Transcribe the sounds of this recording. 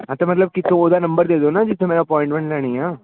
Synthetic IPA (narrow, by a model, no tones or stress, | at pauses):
ɦãt̪ɐmɐt̪ləb̚kɪt̪ʰːõoːd̪anɐ̃mbəɾd̪eːd̪onad͡ʒɪt̪ʰːẽmeːɾapɔ̃ːɪ̃ɳʈmɛ̃ɳʈlɛːɽ̃iaː